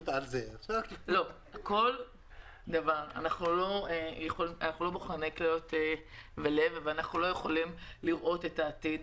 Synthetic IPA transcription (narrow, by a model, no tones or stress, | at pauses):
t̪alzelo̞ | ako̞l | d̪avaʁa̰naχnulo̞ejeχolianaχnulo̞boχʁane̞jklejote | vele̞vveanaχnulo̞jeχo̞limliʁʔo̞te̞taːtid